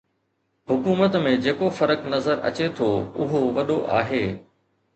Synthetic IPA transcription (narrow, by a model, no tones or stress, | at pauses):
hʊkuːmət̪mẽd͡ʑeːkofɐɾəknɐzəɾɐ̰t͡ɕet̪ʰoʊɦoʋɐɗoʔa̰ːɦeː